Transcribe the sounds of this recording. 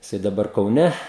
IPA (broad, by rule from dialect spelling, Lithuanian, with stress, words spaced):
jɪˈsɐɪ dɐˈbɐr kɐʊˈnʲɛ